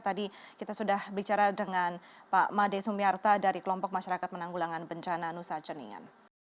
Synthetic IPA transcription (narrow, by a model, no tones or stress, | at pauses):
t̪adikit̪asudahbəit͡ʃaɾadəŋanpamadesumiart̪adaɾikəlɔmpɔk̚maʃaɾakat̪̚mənaŋɡulaŋanbəɲt͡ʃananusat͡ʃənḭŋa̰n